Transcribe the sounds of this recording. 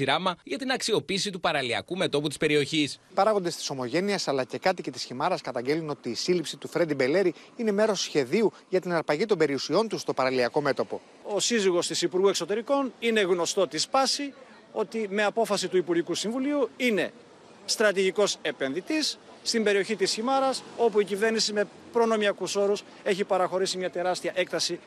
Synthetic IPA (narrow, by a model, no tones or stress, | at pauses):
iɾɐmɐʝɐt̪inɐksio̞piːsit̪upɐɾɐliɐ̰kume̞t̪o̞put̪i̥spe̞ɾio̞çispɐɾɐɣo̞nd̪e̞st̪iso̞mo̞ʝe̞niesɐlɐce̞kɐt̪ice̞t̪i̥sçimɐɾɐskɐt̪ɐɲɟe̞luno̞t̪iːsilipsit̪ufɾe̞d̪ibe̞le̞ɾi | ine̞me̞ɾo̞sçe̞ðiu | ʝɐt̪inɐɾpɐʝit̪o̞mbe̞ɾiusio̞nt̪ust̪o̞pɐɾɐliɐko̞me̞t̪o̞po̞ | o̞siziɣo̞st̪isipuɾɣue̞kso̞t̪e̞ɾiko̞nine̞ɣno̞st̪o̞t̪ispɐsi | o̞t̪ime̞ɐpo̞fɐsit̪uipuɾʝikusiɱvuliuine̞ | st̪ɾɐt̪iʝiko̞se̞pe̞nðit̪isː | t̪imbe̞ɾio̞çit̪isçimɐɾɐso̞puicive̞ɾnisime̞ | pɾo̞no̞miɐkuso̞ɾus | e̞çipɐɾɐxo̞ɾisimɲɐt̪e̞ɾɐst̪iɐʔe̞kt̪ɐsi